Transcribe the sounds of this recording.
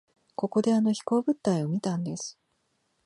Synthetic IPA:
ko̞ko̞d̪e̞ano̞çi̥ko̞ːbɯ̟t̪ːaio̞mʲit̪ãnd̪e̞sɨ̥

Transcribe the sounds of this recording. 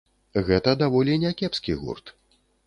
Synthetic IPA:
ɣɛt̪ɐd̪avɔlʲinʲɛkʲɛpskʲiɣṵrt̪

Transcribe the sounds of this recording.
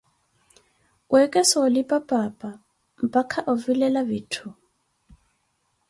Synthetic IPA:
wɛkʼɛsɔːlipʼapʼapʼa | m̩pʼakʰaʔɔvilɛlabitʰu

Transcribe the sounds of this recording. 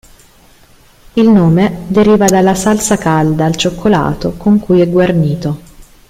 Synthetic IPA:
ilnoːmed̪eɾiːvad̪alːasalsakald̪aːlt͡ʃokʰːola̰ːt̪okoŋkujɛɡwarniːt̪o

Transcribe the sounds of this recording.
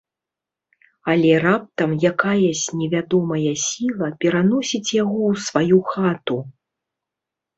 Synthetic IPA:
alʲɛrap̚t̪ɐmjakajɛsʲt͡sʲnʲɛvʲad̪ɔmɐjɐsʲilˠɐpʲɛɾanɔsʲit͡sʲjaɣɔwsvajuxat̪u

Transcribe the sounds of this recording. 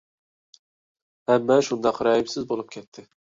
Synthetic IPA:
hɛmːɛʃund̪ɑqɾɑibsɪzbolˠup̚kʲʰɛt̪ʰːɪ

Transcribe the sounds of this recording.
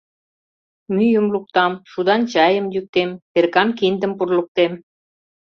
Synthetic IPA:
myjəmluk̚t̪ɑmʃud̪ɑnt͡ɕɑjə̆mjyk̚t̪emperkɑnkind̪ə̆mpurluk̚t̪em

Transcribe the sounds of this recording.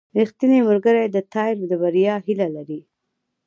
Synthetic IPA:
ɾixt̪inemʊɾɡəɾajd̪ət̪ɑɪɾd̪əbaɾijɑɦilalaɾi

